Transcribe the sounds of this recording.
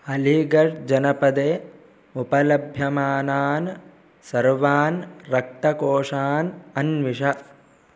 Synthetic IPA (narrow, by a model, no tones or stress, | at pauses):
ɐliɡɐʂd͡ʒɐnɐpɐd̪eː | upɐlɐbʱjɐmaːnaːn | sɐɾʋaːnɾɐk̚t̪ɐkoːʂaːnɐnʋiʂɐ